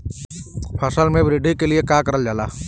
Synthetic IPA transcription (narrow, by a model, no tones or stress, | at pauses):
pʰəsəlmẽbɾɪɖʱikeliekaːkəɾəld͡ʒaːlaː